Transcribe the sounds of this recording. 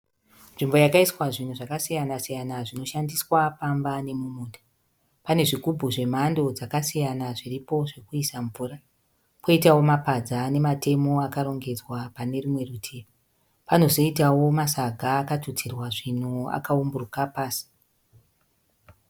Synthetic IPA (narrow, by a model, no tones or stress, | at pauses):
nʐimbo̞jakaiswaʐin̤uʐakasijanasijanaʐino̞ʃandiswapambane̞mumuːnda | pane̞ʐiɡʱubʱuʐe̞mando̞d͡zakasijanaʐiripo̞ʐe̞kuisaɱvuːɾa | ko̞itawo̞mapad͡zane̞mate̞mo̞akaɾo̞ŋɡe̞d͡zwapane̞rimwe̞rutʰea | pano̞zo̞itawo̞masaɡʱaːkatut͡sirwaʐin̤ua̰kaumburukapaːsi̥